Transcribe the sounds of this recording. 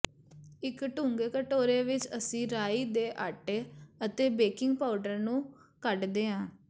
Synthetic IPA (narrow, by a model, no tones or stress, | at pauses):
ɪkʈũːŋɡeːkəʈoːɾeːʋɪt͡ʃəsĩːɾaːiːd̪eːʔaʈeːət̪eːbeːkɪŋɡ̚paːʊɖəɾnũː | kəʈd̪eːɦãː